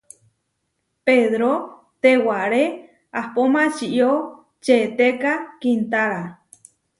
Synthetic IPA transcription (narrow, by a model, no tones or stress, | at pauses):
peðɾo | t̪ewaɾe | ahpomãt͡ʃiʔjo | t͡ʃet̪ekakint̪aɾa